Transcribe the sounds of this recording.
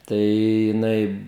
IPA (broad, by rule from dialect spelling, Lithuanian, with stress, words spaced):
ˈtɐɪ jɪˈnɐɪ